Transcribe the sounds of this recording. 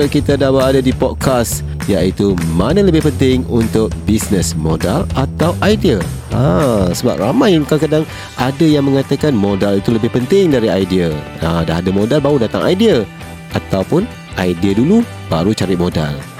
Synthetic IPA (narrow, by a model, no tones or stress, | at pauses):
kit̪adawaadadipɔd̚kʰas | jaʔit̪umanələbɪhpənt̪ɪŋunt̪ʊk̚bisnəsmodalat̪awʔajdiəasəba̰p̚ramãjnkakadaŋ | ʔadajaŋmə̃ŋat̪akanmodalit̪uləbɪhpənt̪ɪŋdaɾiajdiə | adaɦadəmõdalbaudat̪a̰ŋa̰jdiə | ʔat̪awpʊn | ajdiədulu | b̥aɾut͡ʃaɾɪt̪̚moda̰l